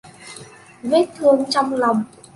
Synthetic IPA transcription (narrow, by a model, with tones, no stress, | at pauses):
ve˦˥t̚t̪ʰɨ˧əŋt͡ɕɔ˧wŋ͡mla˨˩wŋ͡m